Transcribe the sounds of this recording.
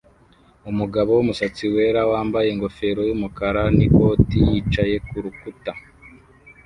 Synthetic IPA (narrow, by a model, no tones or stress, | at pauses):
umuɡaβo̞wumusat͡siwe̞ːɾawaːmbaje̞ŋɡo̞fe̞ɾo̞jumukaɾaniko̞ːtijiːt͡ʃaje̞kuɾukuta